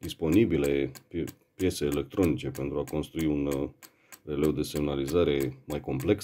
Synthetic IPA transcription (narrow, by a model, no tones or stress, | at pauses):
d̪ispo̞nibile̞ | pje̞t̪seːle̞k̚t̪ɾo̞nit͡ʃe̞pe̞nt̪ɾuako̞nst̪ɾuiun | re̞le̞wd̪e̞se̞mnalizaɾe̞majko̞mple̞ks